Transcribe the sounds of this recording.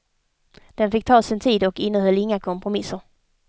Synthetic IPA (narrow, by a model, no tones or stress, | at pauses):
d̪̥ɛnfɪk̚ːt̪ʰɑːsɪnt̪ʰiːd̪ɔkɪnːəɦœlːɪŋːakʰɔmpɾʊmɪsːəɾ